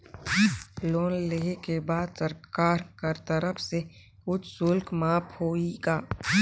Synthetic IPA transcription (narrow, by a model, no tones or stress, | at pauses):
loːnleekebaːd̪səɾkaːɾkəɾt̪əɾəpʰse | ʊt͡ʃʰsʊlkmaːphoːiɡaː